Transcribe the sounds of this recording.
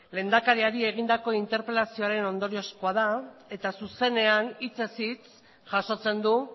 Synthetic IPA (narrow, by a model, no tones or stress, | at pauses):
le̞ːnd̪akaɾiaɾie̞ɣ̞ind̪ako̞int̪e̞ɾpe̞lasio̞aɾe̞no̞nd̪o̞ɾio̞skoað̞ae̞t̪asuse̞ne̞anit͡se̞sit͡s | ʝaso̞t͡se̞nd̪u